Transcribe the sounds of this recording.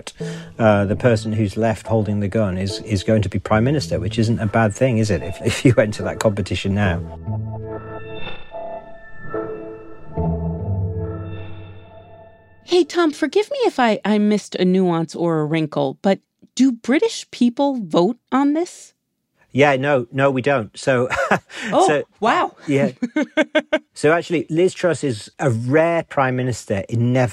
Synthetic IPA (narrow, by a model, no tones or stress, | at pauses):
tʌðəpʰɜˑ˞sə̃nɦʉzlɛft̚hoʊlˠdɪ̃ŋðɨɡʌ̃nɪzɪzɡoʊɪ̃ŋtʰəbipʰɹ̥ãɪ̃mɪnɪstə˞wɪt͡ʃɪzə̃n̩təbad̪̚θɪ̃ŋɪzɪtɪfɪfjəwɛ̃ntʰəðə̰ʔt̚kʰɒ̃mpɨtʰɪʃə̃nːaʊ | heɪtʰɑ̃mfə˞ɡɪvmiɪfaɪʔaɪmɪstɨnuɑ̃nsə˞əɹɪ̃ŋkl̩ˠb̥ʌt̚ | d̥ɨbɹɪɾɪʃpʰipl̩ˠvoʊɾn̩ðɪs | jænoʊnoʊwidõʊ̃ntsoʊ | oʊsoʊwaʊjæ | soʊak̚t͡ʃul̩ˠilɪz̥tʰɹ̥ʌsɪzəɹɛːpʰɹ̥ãɪ̃mɪnɪstə˞ɪ̃nnːɛv